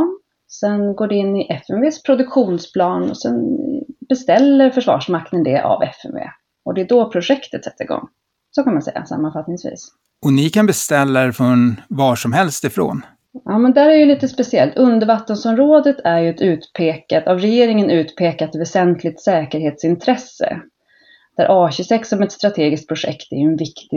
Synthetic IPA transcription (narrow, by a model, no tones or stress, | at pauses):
sɛnɡoːɖɛɪnːɪʔɛfɛmveːspʰɾʊd̪ɵkɧuːnspʰlɑːnɔ̰sɛnbɛst̪ɛlːəɾfœʂvɑ̰ːʂmaknənd̪ɛʔa̰vɛ̰fɛ̰mvḛː | ɔd̪ɛːd̪ɔpʰɾʊʂɛkt̪ət̪sɛt̪ːəɾɪɡɔ̰ŋː | sɔkʰanmansɛ̰jːa̰sa̰mːanfat̪nɪŋsvḭːs | ɔnɪkʰanbɛst̪ɛlːaɾfɔnvɑːʂɔmɦɛlst̪ɪfɾo̰ːn | jɑːmɛnd̪æːɾæɾjɵliːt̪əspɛsɪɛlt̪ʰɵnd̪əɾvat̪ːənsɔnɾoːd̪ət̪ʰæɾjɵɛt̪ʉ̟ːt̪pʰeːkat̪avɾɛjeːɾɪŋənʉ̟ːt̪pʰeːkat̪vɛsɛnt̪ʰlɪt̪sɛːkəɾheːt̪sɪnt̪ʰɾɛsə̰ | d̪̥æɾʔɑːɕʏsɛksɔmɛt̪st̪ɾat̪ʰeːɡɪsk̪t̪̚pɾʊʂɛ̰kt̪æ̰ɾjɵɛnvɪkt̪ɪ